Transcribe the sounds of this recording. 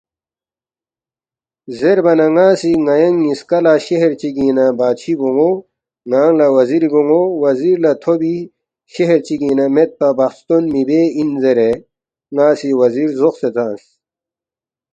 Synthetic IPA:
zeɾbɐnɐŋaːsiŋɐjɐŋːiskɐlaɕeɦeɾt͡ɕiɡĩːnɐbaːt̪ɕʰiboŋɡo | ŋaːŋlɐwɐziɾiboŋowɐziɾlat̪ʰobi | ɕeɦeɾt͡ɕiɡĩːnɐmet̪̚pɐbɐxst̪onmibeinzeɾe | ŋaːsiwɐziːɾzoxset͡sãːns

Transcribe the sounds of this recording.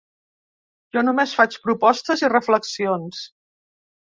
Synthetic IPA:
ʒɔnumesfat͡ʃpɾupɔst̪əzirəfləksions

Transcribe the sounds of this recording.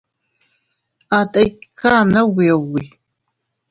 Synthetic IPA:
aːtʼɐjkʰaːnɐwiːwi

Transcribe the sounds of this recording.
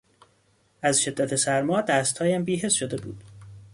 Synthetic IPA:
ʔæzʃe̞d̪ːæt̪ʰesæɾmɒːd̪æːst̪hɒːjæmbiːɦe̞sʃod̪e̞bṵːd̪̥

